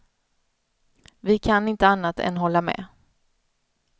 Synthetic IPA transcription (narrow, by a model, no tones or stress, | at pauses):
vɪkʰanɪnt̪əanːat̪ɛ̰nɦɔlːamɛ̰ː